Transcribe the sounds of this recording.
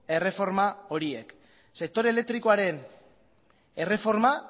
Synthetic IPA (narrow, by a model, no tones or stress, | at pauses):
e̞re̞fo̞ɾmao̞ɾie̞̰k | se̞k̚t̪o̞ɾele̞k̚t̪ɾiko̞aɾe̞n | e̞re̞fo̞ɾma